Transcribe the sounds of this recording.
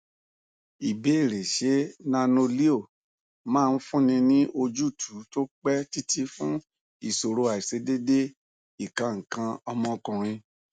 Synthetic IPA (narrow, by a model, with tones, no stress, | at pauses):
i˨be˨˦i˦˨ɾe˨ʃe˨˦nã˧no˧li˦o˦˨ | mãː˦˧n̩˦fũ˦nĩ˧nĩ˦ʔo˧d͡ʒu˦˨tʰu˨˦to˦k͡pɛ˦ti˦tʰi˦fũ˦ | i˦˨so˨ɾo˧˦a˨i˨se˨˦de˦de˦ | i˨kã˧ŋ̩˨kã˧ɔ˧mɔ̃˧kũ˨ɾ̃ĩ˧